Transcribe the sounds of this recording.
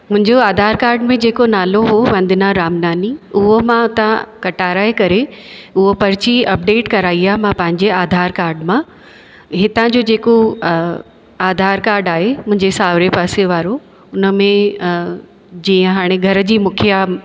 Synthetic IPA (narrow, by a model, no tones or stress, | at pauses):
mʊ̃ɦɪ̃ɲd͡ʑoaːd̪ʱaːɾkaːɾɖmẽd͡ʑeːkonaːloɦoʋɐ̃nd̪ʱɪnaɾaːmnaːniʊɦomãʊt̪ãkɐʈaːɾaːekɐɾeʊɦopɐɾɪt͡ɕiɐp̚ɖeːʈkɐɾaːiaːɦemãpɐ̃ɦɪ̃ɲd͡ʑeaːd̪ʱaːɾkaːɾɖmã | ɦɪt̪ãd͡ʑod͡ʑeːko | aːd̪ʱaːɾkaːɾɖaːɦemʊ̃ɦɪ̃ɲd͡ʑesaːʋɾepaːseʋaːɾo | ʊnə̆mẽ | d͡ʑĩːə̃ɦaːɽ̃ẽɡʱɐɾəd͡ʑiːmʊkʰija